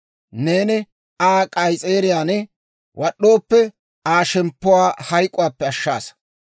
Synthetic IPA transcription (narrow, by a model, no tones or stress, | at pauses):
ne̞ːnɪ | aːkʼɐjt͡sʼeːɾɪjaːnɛ | wʔɐɗo̞ːpːɛ | aːʃɛmpːʊwaːhɐjkʼʊwaːpːɛɐʃːa̰ːs